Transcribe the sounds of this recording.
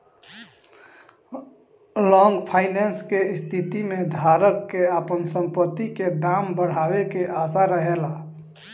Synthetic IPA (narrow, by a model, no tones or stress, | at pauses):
lɔ̃ŋɡpʰaːɪnenskest̪ʰit̪imẽd̪ʱaːɾəkːeapənsə̃mpət̪ːiked̪aːmbəɽ̤awekeʔas̬aɾəɦela